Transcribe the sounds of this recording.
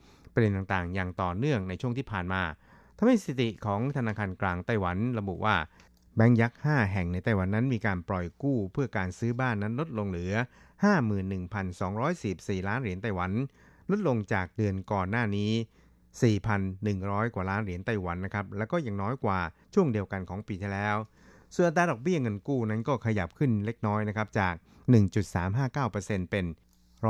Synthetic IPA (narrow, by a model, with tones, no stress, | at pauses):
pʰɾde˧nt̪a˨˩t̪aː˨˩ŋjaː˨˩ŋt̪ɔː˨˩nɯ˥˩əŋna˧jt͡ɕʰu˥˩əŋt̪ʰiː˥˩pʰaː˨˩nmaː˧ | t̪ʰa˧mha˥˩jsi˨˩t̪i˨˩kʰɔː˩˦ŋt̪ʰa˧naː˧kʰaː˧nklaː˧ŋt̪a˥˩jwa˩˦nɾa˧bu˨˩ʔwaː˥˩ | bɛ˦˥ŋja˦˥k̚haː˥˩ɦɛ˨˩ŋna˧jt̪a˥˩jwa˩˦nːa˦˥nmiː˧kaː˧npɾɔ˨˩jkuː˥˩pʰɯ˥˩ɐkaː˧nsɯː˦˥baː˥˩nːa˦˥nlo˦˥t̪̚lo˧ŋɾɯː˩˦ɐ | haː˥˩mɯː˨˩nːɯ˨˩ŋpʰa˧nsɔː˩˦ŋɾɔː˦˥jsi˨˩p̚siː˨˩laː˦˥nɾi˨˩˦ənt̪a˥˩jwa˩˦n | lo˦˥t̪̚lo˧ŋt͡ɕaː˨˩k̚dɯ˧ənkɔː˨˩nːaː˥˩niː˦˥ | siː˨˩pʰa˧nːɯ˨˩ŋɾɔː˦˥jkwa˨˩laː˦˥nɾi˨˩˦ənt̪a˧jwa˩˦nːa˦˥kʰa˦˥p̚lɛː˦˥wkɔː˥˩ja˨˩ŋnɔː˦˥jkwaː˨˩t͡ɕʰu˥˩əŋdi˧əwka˧nkʰɔː˩˦ŋpiː˧t̪ʰi˥˩lɛː˦˥w | su˨˩ənʔa˧˩t̪ːaː˧dɔː˨˩k̚bi˥˩ɐŋɤ˧nkuː˥˩na˦˥nkɔː˥˩kʰa˧ja˨˩p̚kʰɯ˥˩nle˦˥k̚nɔː˦˥jna˦˥kʰa˦˥p̚t͡ɕaː˨˩k̚ | nɯ˨˩ŋt͡ɕu˨˩t̪̚saː˩˦mɦaː˥˩kaː˥˩wpɤː˧se˧npe˧n | ɾ